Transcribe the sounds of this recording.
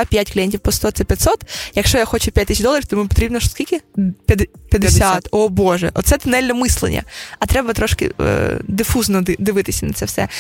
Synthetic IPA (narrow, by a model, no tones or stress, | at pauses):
apʲjatʲklʲijɛnʲtʲiwpɔst̪ɔt̪sɛpʲjɐt̪sɔt̪jɐkʃt͡ʃɔjaxɔt͡ʃʊpʲjat̪̚ʲt̪it͡ʃd̪ɔlˠɐɾʲiwt̪ɔmupɔt̪ɾʲibnɔʃɔ̥skʲilʲkɪpʲɐd̪pʲjɐd̪sʲat̪ɔbɔʒɛ̰ʔɔ̰t̪sɛt̪ʊnɛlʲnɛmɪslˠḛnʲːɐ̰ɐt̪ɾɛbɐt̪ɾɔʃkɪ̰d̪ɪfuznɔd̪ɪd̪ɪʋɪt̪ɪsʲɐnɐt̪sɛwsɛ̰